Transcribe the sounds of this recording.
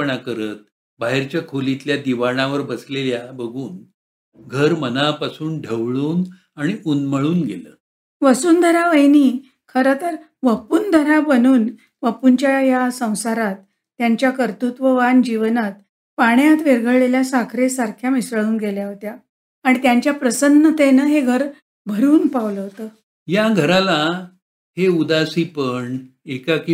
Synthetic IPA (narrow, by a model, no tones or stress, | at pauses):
ɳakəɾət̪̚ | baɦeɾt͡ɕjakʰolit̪ljad̪iʋaɳ̃ãʋəɾbəsleljabəɡʱuːn | ɡʱəɾmənapasuːnɖʱəʋɭuːn | aɽ̃iʔunməɭuːnɡeləː | ʋəsuːnd̪ʱəɾaʋəjniː | kʰəɾət̪əɾ | ʋəpuːnd̪ʱəɾabənuːn | ʋəpuɲt͡ɕjajasə̃w̃saɾat̪ː | jaɲt͡ɕjakəɾt̪ut̪ʋəʋand͡ʑiʋənat̪̚ | paɳjat̪ʋeɾɡʱəɭɭeljasakʰɾesaɾkʰjamisəɭuːnɡeljaɦot̪jaː | ɽ̃it̪jaɲt͡ɕjapɾəsənːət̪enəɦeɡʱəɾ | bʱəɾuːnpaʋləɦot̪əː | jaɡʱəɾala | ɦeud̪asiːpəɳ | ekaki